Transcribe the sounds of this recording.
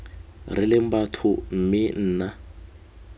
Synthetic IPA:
rɪlɪm̩batʰʊm̩mɪn̩ːna

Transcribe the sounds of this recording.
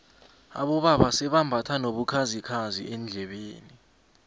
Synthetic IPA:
a̰ɓɔɓaɓasɛɓambʱatʰanoɓukʰazikʰazḭʔɛnd͡ɮʱɛɓeːni

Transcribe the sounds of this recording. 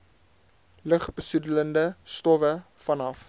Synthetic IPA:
ləχbəsudələndəstɔvə | fɐnɐf

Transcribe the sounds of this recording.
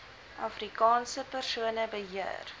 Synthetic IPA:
ʔɐfrikɑːnsəpərsuənəbəɦiə̰r

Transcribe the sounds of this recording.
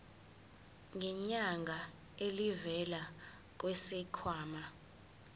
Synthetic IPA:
ŋʱɛɲaŋɡʱa | elivɛla | k̬wɛsɛkʰwaːma

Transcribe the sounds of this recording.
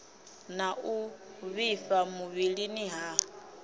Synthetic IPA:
naʔuβifamuβiɺiniɦa

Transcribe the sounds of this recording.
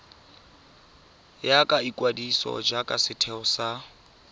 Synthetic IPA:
jakʼaikʼwadisɔ̰d͡ʒakʼasɪtʰɛʊsa

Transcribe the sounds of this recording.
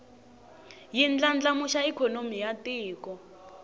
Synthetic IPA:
jind͡ɮand͡ɮamuʃaikʰɔnomijatiːkɔ

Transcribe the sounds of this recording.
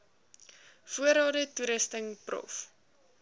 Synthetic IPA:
fuəɾɑːdətuɾəstəŋprɔ̰f

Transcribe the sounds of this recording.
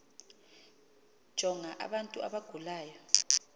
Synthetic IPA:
d̥ʒ̥ʱɔŋaʔa̰ɓantʼua̰ɓaɡ̥ʱulaːjɔ

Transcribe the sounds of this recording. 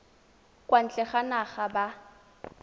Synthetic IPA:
kʼwan̩t͡ɬʼɛχanaχaba

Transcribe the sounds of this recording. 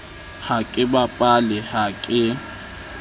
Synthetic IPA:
hakʼɪbapʼalɪhakʼɪ

